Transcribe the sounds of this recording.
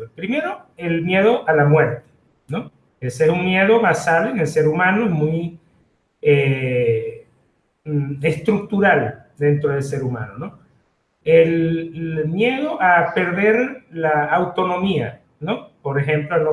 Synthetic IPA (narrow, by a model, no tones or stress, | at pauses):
pɾime̞ɾo̞e̞lmje̞ð̞o̞ʔalamwe̞ɾt̪e̥ | no | esesuŋmje̞ðo̞βasaðoenelse̞ɾumãnoemuj | e | est̪ɾuk̚t̪uɾald̪e̞nt̪ɾoð̞e̞lse̞ɾuma̰nono̞ | el | mje̞ðo̞ʔape̞ɾðe̞ɾlaːwt̪o̞no̞mia̰ | no̞po̞ɾexe̞mploeno